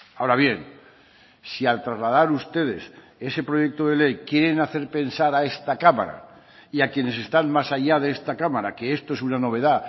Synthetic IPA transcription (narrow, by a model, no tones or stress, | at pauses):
aoɾaβ̞je̞n | sialt̪ɾazlað̞aɾust̪e̞ð̞e̞s | e̞se̞pɾo̞ʝe̞k̚t̪oð̞e̞le̞jkje̞ɾe̞naθe̞ɾpe̞nsaɾae̞st̪akama̰ɾa̰ | iakje̞ne̞s̬e̞st̪anmasaʎaðe̞est̪akamaɾake̞est̪oe̞sunano̞β̞e̞ða